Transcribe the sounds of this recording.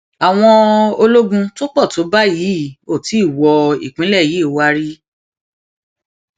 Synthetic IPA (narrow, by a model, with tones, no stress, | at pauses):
a˨w̃ɔ̃˧o˧lo˦ɡũ˧to˦k͡pɔ˦˨to˨˦ba˦ji˨˦o˦˨ti˨˦˨wɔ˧ḭ˨k͡pĩ˨˦lɛ˦˨ji˨˦˨wa˦ɾi˦